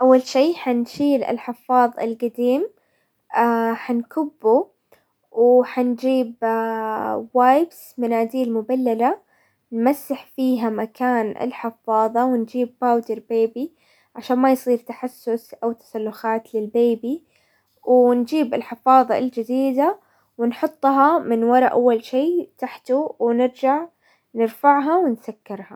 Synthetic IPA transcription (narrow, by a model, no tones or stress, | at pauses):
ʔawːalʃiːħanʃiːlɪ̰lħɪfɑːðˤɪ̰lɡad̪iːm | aħankʊbːu | wħand͡ʒiːb | waːjbs | manaːd̪iːlmʊbalːala | nmasːaħfiːɦamakaːnɪ̰lħɪfːɑːðˤɑwɪnd͡ʒiːbːaːwd̪ɪɾbeːbi | ʕaʃaːnmajsˤiːɾt̪aħasːʊsʔawt̪ḁsalːʊxaːt̪lɪlbeːbi | wnd͡ʒiːbɪlħɪfɑːðˤɑld͡ʒɪd̪iːd̪a | wɪnħʊt̪ˤːɦɑmɪnwɑɾˤɑʔawːalʃiːt̪aħt̪uwɪnɪɾd͡ʒaʕ | nɪɾfaʕɦɑwɪnsakːɪɾhɑ